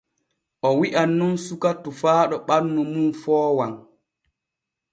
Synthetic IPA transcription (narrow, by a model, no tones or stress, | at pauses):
ʔɔwiʔanːunsukatːufaːɗɔɓanːumunfɔːwan